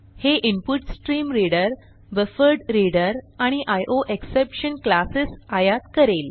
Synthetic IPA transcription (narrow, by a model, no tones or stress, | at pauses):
heʔimpuʈsʈɾiːmɾiɽəɾ | ʋəfəɾɖɾiɽəɾaɽ̃iʔajʔoʔeksepɕənklasisajat̪kəɾel